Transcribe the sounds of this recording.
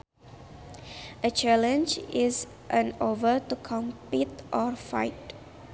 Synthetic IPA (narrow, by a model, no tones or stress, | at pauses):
ʔət͡ʃɛlə̃nd͡ʒiz | ʔə̃novətukʰɔ̃mpitʔɔɹfa̰ɪt